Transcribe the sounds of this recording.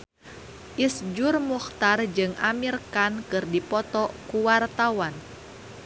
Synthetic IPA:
ʔisd͡ʒʊrmuxt̪ard͡ʒɨŋʔamirkankɨrdipɔt̪ɔkuwart̪awan

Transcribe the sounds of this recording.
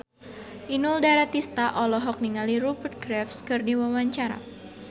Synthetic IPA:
ʔinuldaɾat̪ist̪aʔɔlɔɦɔk̚niŋaliɾupərt̪̚ɡɾɛfskɨrdiwawaɲt͡ʃaɾa̰

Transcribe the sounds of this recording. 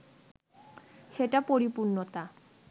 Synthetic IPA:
ʃeʈapoɾipuɾnot̪a

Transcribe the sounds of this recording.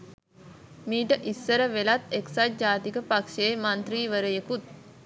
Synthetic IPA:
miːʈəʔisːəɾəʋelat̪eksat̪̚d͡ʒaːt̪ikəpakʃemant̪ɾiːʋəɾəjekut̪̚

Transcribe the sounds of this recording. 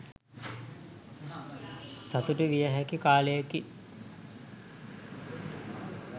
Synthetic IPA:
sat̪uʈəʋijəɦɛkikaːlejəki

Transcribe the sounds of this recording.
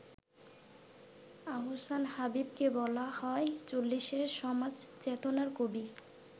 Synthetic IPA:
aɦosanhabib̚kebɔlahɔet͡ɕolːiʃeɾʃɔmad͡ʑt͡ɕet̪onaɾkobi

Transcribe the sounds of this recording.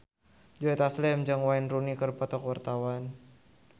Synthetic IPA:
d͡ʒɔɛt̪aslɛmd͡ʒaŋwainrunikərpɔt̪ɔkwart̪awan

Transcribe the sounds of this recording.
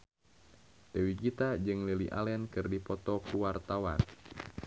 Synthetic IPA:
d̥ewikit̪ad͡ʒɨŋliliʔa̰lɛnkɨrdipɔt̪ɔkuwart̪awan

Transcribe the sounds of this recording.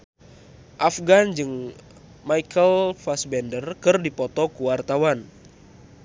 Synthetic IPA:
ʔafɡand͡ʒɨŋ | majkʰəlfasbɛndərkɨrdipɔt̪ɔkuwart̪awan

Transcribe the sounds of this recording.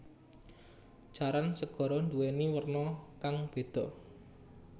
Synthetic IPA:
d͡ʒ̥a̤ɾansəɡ̥ɔ̤ɾɔnd̪uweniwərnɔkaŋb̥e̤d̪̥ɔ̤ʔ

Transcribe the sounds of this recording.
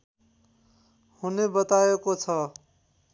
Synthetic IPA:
hunebʌt̪ajekot͡sʰʌ

